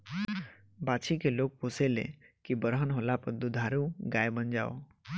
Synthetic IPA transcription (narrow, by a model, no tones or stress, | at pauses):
baːt͡ʃʰikeloːɡ̚poːselḛ̃kibəɾɦənɦolapəɾd̪ud̪ʱaːɾũɡaːebənd͡ʒa̰ːo̰